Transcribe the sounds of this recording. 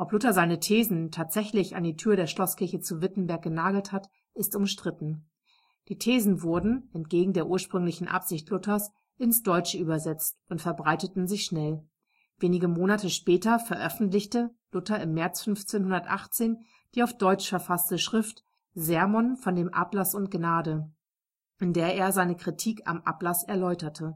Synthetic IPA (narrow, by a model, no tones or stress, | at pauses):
ʔɔplʊtɐzaɪnətʰeːzn̩tʰaːtz̥ɛçlɪça̰ndiːtʰyːɐɾeːɐʃlɔskʰɪɐçət͡suvɪtn̩bɛɐk̚ɡ̥ənaːɡl̩that | ʔɪstʊmʃtʁ̥ɪtn̩ | d̥iːtʰeːzn̩vʊɐdn̩ʔɛntɡ̥eːɡŋ̩deːɐʔuːɐʃpʁ̥ʏŋlɪçn̩ʔa̰pz̥ɪçtlʊtɐs | ʔɪnsd̥ɔʏt͡ʃəʔyːbɐzɛt͡stʔʊntfɛɐbʁaɪtətn̩zɪçʃnɛl | veːnɪɡəmoːnatəʃpɛːtɐfɛɐʔœfn̩tlɪçtəlʊtɐɪmːɛɐt͡sfʏnft͡seːnɦʊndɐtʔa̰χt͡seːn | d̥iːaʊfd̥ɔʏt͡ʃfɛɐfastəʃʁ̥ɪft | zɛɐmɔnfɔndeːmʔa̰plasʊntɡ̥naːdə | ʔɪndeːɐeːɐzaɪnəkʁ̥itʰiːka̰mʔa̰plasɛɐlɔʏtɐtʰə